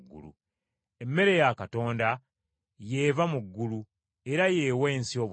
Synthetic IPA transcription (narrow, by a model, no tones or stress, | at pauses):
ɡːṵlṵ | emːe̞ɾe̞jakato̞ːnda | je̞ːvamuɡːulu | eɾaje̞ːwe̞ːnsio̞ːβ